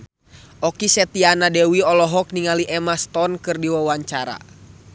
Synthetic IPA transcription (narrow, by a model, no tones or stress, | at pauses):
ɔkisɛt̪ianadɛwiɔlɔɦɔk̚niŋaliʔɛmast̪ɔnkɨrdiwawaɲt͡ʃaɾa̰